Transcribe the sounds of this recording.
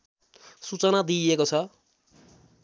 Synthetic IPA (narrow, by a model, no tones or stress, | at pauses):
sut͡sʌnad̪iekot͡sʰʌ